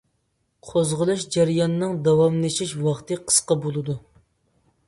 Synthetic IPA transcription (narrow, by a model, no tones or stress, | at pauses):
qʰozʁəlˠɨʃd͡ʒæɾjɑnɨnɨŋd̪ɑwɑmlˠɨʃiʃwɑχt̪ɨqʰə̥sqɑbolˠɨd̪u